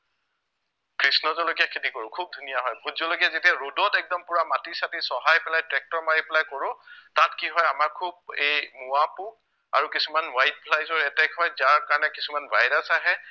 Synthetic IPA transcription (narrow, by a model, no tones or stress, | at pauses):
kɹisnɔzɔlokiakʰitikoɹʊkʰub̚dʱunijaɦɔjbʱutzɔlokiazetiaɹodɔtɛk̚dɔmpʊɹamatisatisɔɦajpɛlajtɹɛk̚tɔɹmaipɛlajkoɹʊ̃tatkiɦɔjamaɹkʰub̚ejmuapu | a̰ɹukisumanwajt̚pʰlajzɔɹɛtɛkɦɔjzaɹkaɹɔnɛkisumanbajdasaɦɛ